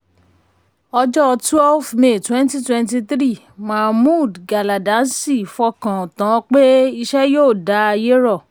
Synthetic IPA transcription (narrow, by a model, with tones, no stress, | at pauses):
ɔ˧d͡ʒɔ˦˧twɛ˦lfme˨twɛ̃˦n˦ti˦twɛ̃˦n˦ti˧tɾi˦˨ | mã˨mũ˦˨dɡa˨la˨dã˨˦nsi˦˨fɔ˧˦kã˨tã˨˦k͡pe˦i˧ʃɛ˦joː˦˨da˨˦a˧je˦ɾɔ˦˨